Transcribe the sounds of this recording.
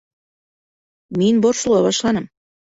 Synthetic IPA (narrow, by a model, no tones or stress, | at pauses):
minboɾʃulˠɑβɑʃlˠɑnɤm